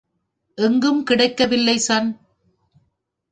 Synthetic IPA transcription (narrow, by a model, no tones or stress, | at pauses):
ʔɛŋɡɯmkɪɽɐɪkːɐʋɪlːɐɪsɐn